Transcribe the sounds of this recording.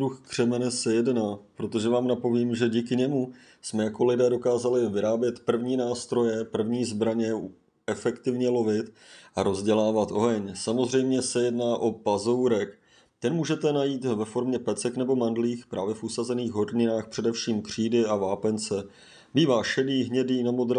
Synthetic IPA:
ɾuxkr̥ɛmɛnɛsɛjɛdnaːpɾo̞t̪o̞ʒɛvaːmnapo̞viːmʒɛɟiːkɪɲɛmu | smɛjako̞lɪdɛːdo̞kaːzalɪvɪɾaːbjɛt̪pr̩vɲiːnaːst̪ɾo̞jɛpr̩vɲiːzbɾaɲɛ | ɛfɛkt̪ɪvɲɛlo̞vɪt̪ʔaɾo̞zɟɛlaːvat̪ʔoɦɛɲsamo̞zr̝ɛjmɲɛsɛjɛdnaːʔo̞pazowɾɛk | t̪ɛnmuːʒɛt̪ɛnajiːt̪vɛfo̞ɾmɲɛpɛt͡sɛknɛbo̞mandliːxpɾaːvjɛfʔusazɛniːxɦo̞ɾɲɪnaːxpr̝̥ɛdɛfʃiːmkr̝̥iːdɪavaːpɛnt͡sɛ | biːvaːʃɛdiːɦɲɛdiːnamod̪ɾ

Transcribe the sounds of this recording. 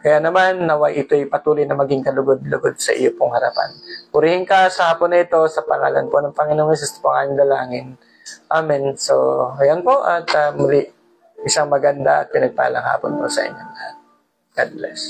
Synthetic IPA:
kɐjanɐmanːɐwajʔɪt̪o̞jpɐt̪uːlojnɐmɐɡɪŋkɐlʊɡod̪̚lʊɡod̪̚sɐʔɪ̰jopoŋhɐɾɐpa̰npʊɾɪhɪŋkɐsɐhaːponːɐɪt̪o̞sɐpɐŋa̰ːlɐ̰npo̞nɐŋpɐŋɪnoŋɪs̬ɪst̪ɐ̥poʔɐŋaːnɪnd̪ɐlaːŋɪn | ʔaːmɪnsojɐnpo̞ʔɐt̪amʊliʔ | ʔɪsaŋmɐɡɐnd̪aʔɐ̰t̪̚pɪnɐɡ̚pa̰ha̰lɐ̰ŋha̰ːpo̰npo̞sɐ̰ʔɪ̰ɲːonɐha̰t̪̚ | ɡ̥ad̪̚lɛs

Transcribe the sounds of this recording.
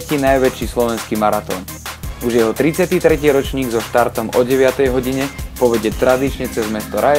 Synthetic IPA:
ciːnajʋɛt͡ʃiːslɔʋɛnskiːmaɾat̪ɔ̰ːn | uʒjɛɦɔt̪ɾit͡sɪat̪iːt̪ɾɛciːɾɔt͡ʃɲiːɡzɔʃt̪aɾt̪ɔmɔɟɛʋɪat̪ɛjɦɔɟiɲɛpɔʋɛɟɛt̪ɾad̪it͡ʃɲɛt͡sɛzmɛst̪ɔɾʔaj

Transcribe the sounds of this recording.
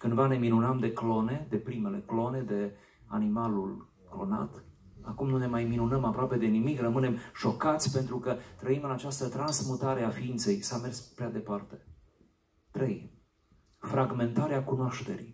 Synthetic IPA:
kɨnd̪vane̞minunəmd̪e̞klo̞ne̞d̪e̞pɾime̞le̞̰klo̞ne̞d̪e̞ | a̰nimalul | klo̞̰na̰t̪ | a̰kumnune̞majminunəmapɾoape̞d̪e̞nimikrəmɨne̞mʃo̞kat̪sʲpe̞nt̪ɾukət̪ɾəimɨnat͡ʃast̪ət̪ɾansmut̪aɾe̞afiint̪se̞jsame̞rspɾead̪e̞part̪e̞ | t̪ɾe̞j | fɾaɡme̞nt̪aɾeakunoaʃt̪e̞̰ɾḭ

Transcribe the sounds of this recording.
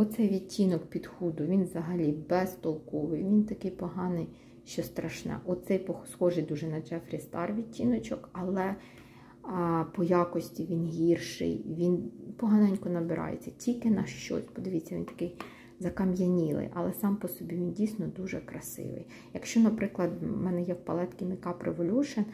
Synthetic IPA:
ɔt̪sɛjʋʲitʲʰːinɔkpʲid̪xud̪ʊʋʲinʋzɐɦɐlʲibɛst̪ɔlˠkɔʋɪjʋʲint̪ɐkɪjpɔɦɑnɪj | ʃt͡ʃɔst̪ɾɐʃnɛ̰ʔɔt̪sɛjpɔxsxɔʒɪjd̪uʒɛnɐd͡ʒɛfɾʲist̪ɑrʋʲitʲːinɔt͡ʃɔkɐlˠɛ | pɔjɑkɔsʲtʲiʋʲinɦʲirʃɪ̰jʋʲinpɔɦɑnɑnʲkɔnɐbɪɾʔɑ̰jḛt͡sʲːɐtʲilʲkɪnɐʃt͡ʃɔ̰sʲpɔd̪ɪʋʲitt͡sʲːɐʋʲḭnt̪ɐ̥kɪj | zɐkɐmjɐnʲilˠɪ̰jʔɐ̰lˠɛsɑmpɔsɔbʲiʋʲindʲijsʲnɔd̪uʒɛkɾɐsɪ̰ʋɪ̰j | jɐkʃt͡ʃɔnɐpɾɪklˠɐd̪mɛnɛjɛwpɐlˠɛt̪kʲɪnɪkɑpɾeʋɔlʲuʃen

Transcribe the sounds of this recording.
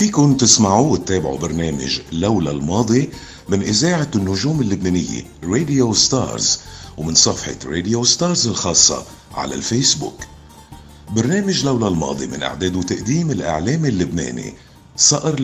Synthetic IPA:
fiːkʊnt̪ɪsmaʕuwɪt̪ːeːbɪʕṵbaɾneːmɪ̰ʒlawlalmɑːd̪ˤi | mɪnʔɪzaːʕanːʊʒuːmɪlːʊbneːnɪjːḛ | ɾeːd̪ɪjost̪ɑ̰ːɾzwmɪnsˤɑfħɪ̰ɾed̪ɪjost̪ɑːɾzɪlxɑːsˤːɑ̰ | ʕa̰la̰lfeːsbṵːk | baɾneːmɪʒlawlalmɑ̰ːd̪ˤimɪ̰nʔa̰ʕd̪eːd̪ʊt̪aʔd̪iːmɪlʔa̰ʕleːmɪlːʊbnḛːnḭ | sˤɑʔɪɾ

